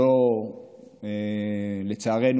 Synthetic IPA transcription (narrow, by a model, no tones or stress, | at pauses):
o | elet͡saːʁen